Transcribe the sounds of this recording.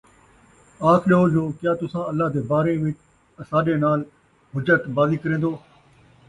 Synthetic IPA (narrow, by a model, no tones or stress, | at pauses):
aːkʰɗeɦoːd͡ʒoːkjaːt̪ʊsãːəlːaːd̪eːbaːɾeːʋɪt͡ʃ | əsaːɗeːnaːl | ɦʊd͡ʒət̪baːziːkəɾẽːnd̪oː